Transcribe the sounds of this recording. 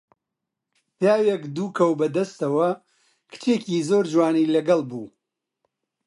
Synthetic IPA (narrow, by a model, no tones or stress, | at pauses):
pjaːwekd̪uːkʰɐwbɐd̪ɐst̪ɐwɐ | kʰɨ̥t͡ʃeːciːzoːɾd͡ʒwaːnilɐɡɐlˠbuː